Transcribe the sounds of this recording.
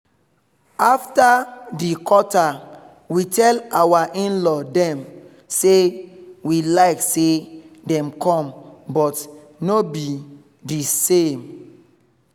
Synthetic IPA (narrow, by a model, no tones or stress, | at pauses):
aftadikʰɔta | witʰɛlawaʔĩnlɔdɛ̃m | sewilaɪksedɛ̃mkʰɔ̃mbɔt | nobi | disẽm